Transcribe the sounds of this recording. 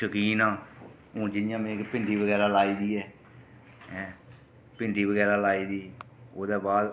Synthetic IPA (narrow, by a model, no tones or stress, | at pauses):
əkiːnãː | õːd͡ʒɪdɪjãːmẽːkpɪɳɖiːʋəɡɛːɾaːlaːiːd̪iːɛː | pɪɳɖiːʋəɡɛːɾaːlaːiːd̪iː | oːd̪eːbaːd̪